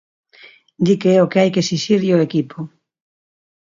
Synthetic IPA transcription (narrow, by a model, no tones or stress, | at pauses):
d̪ikeɛokeajkesiʃiɾʎoekipo